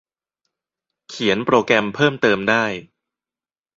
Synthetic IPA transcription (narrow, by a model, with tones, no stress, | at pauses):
kʰi˩˦ənpɾoː˧kɾɛ˧mpʰɤː˥˩mt̪ɤː˧mdaː˥˩j